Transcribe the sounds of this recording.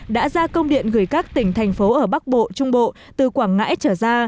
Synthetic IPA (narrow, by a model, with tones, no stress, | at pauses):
ɗa̰ː˧˥zaː˧kə˧wŋ͡mɗḭ˧˨ənɣɨ˧˩əjkaː˦˥k̚t̪ï˩ŋ̟t̪ʰɛ˨˩jŋ̟fo˨˦ʔəː˧˩ɓa˦˥k̚ɓo̰˧˨t͡ɕʊ˧ŋ͡mɓo̰˧˨ | t̪ɨ˨˩kwaː˧˩ŋŋa̰ː˧˥jt͡ɕəː˧˩zaː˧